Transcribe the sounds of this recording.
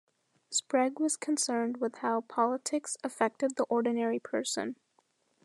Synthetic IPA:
spɹɛɡwʌz̥kʰɨ̃nsɜ̃˞nd̚wɨð̥haʊpʰɑlˠətʰɪksɨfɛk̚tɨd̪̚ðiʔɔɹdⁿn̩ɛɹipʰɜ˞sɨ̰̃n

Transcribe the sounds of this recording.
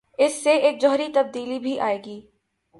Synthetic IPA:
ɪsːeeːk̚d͡ʒɔɦɾit̪ɐb̚d̪iːlibʱiʔa̰ːeːɡiː

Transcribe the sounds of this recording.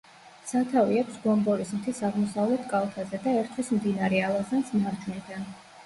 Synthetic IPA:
sat̪ʰaviɛpsɡɔmbɔɾismt̪ʰisaʁmɔsavlɛt̪ʰkʼalˠt̪ʰazɛd̪aɛɾt̪ʰwismd̪inaɾɛalˠazansmaɾd͡ʒunid̪an

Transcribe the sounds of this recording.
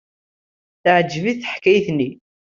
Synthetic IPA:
θəʕəd͡ʒːviθθəħkːæjθnːi

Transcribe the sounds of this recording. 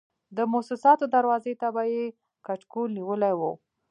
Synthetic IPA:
d̪əmʊsusɑt̪od̪aɾwɑzet̪abaje | kaʈkolniwəlajwə̰w

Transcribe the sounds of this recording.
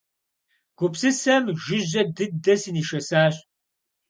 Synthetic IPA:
ɡ̥ʷʊpsɨsɐmʒɪʑɐdɨdɐsiːniːʃɐsaːɕʼ

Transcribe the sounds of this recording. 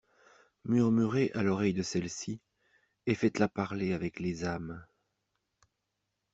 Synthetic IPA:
myʁmyʁeʔalɔʁɛjd̪əsɛlsi | efɛt̪lapaʁleavɛklezam

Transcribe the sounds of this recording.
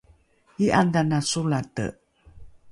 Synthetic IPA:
iʔandanasulat̪ə̰ʔ

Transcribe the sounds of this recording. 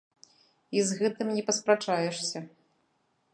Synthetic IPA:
izɣɛt̪ɨmnʲɛpɐspɾat͡ʂajɛʂsʲɐ

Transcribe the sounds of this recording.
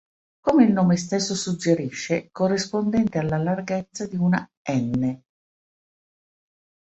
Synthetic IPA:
komeilnoːmest̪esːosud͡ʒːeɾiʃːekorːispond̪ɛnt̪ealːalarɡet̪sːad̪iuna̰ | ɛnːe

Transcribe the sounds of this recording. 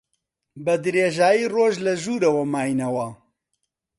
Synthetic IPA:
bɐd̪ɨɾeːʒaːjiːroːʒlɐʒuːɾɐwɐmaːjnɐwɐ

